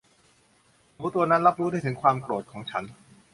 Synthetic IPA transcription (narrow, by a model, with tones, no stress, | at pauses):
a˨˩ku˦˥t̪ːu˧ɐna˦˥nɾa˦˥p̚ɾuː˦˥da˥˩jt̪ʰɯ˩˦ŋkʰwaː˧mkɾoː˨˩t̪̚kʰɔː˩˦ŋt͡ɕʰa˦˥n